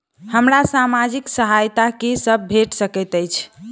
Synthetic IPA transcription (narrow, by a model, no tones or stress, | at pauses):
həmɾasamad͡ʒiksəɦajt̪akisəb̚bʱeʈsəkət̪əjt͡ʃʰ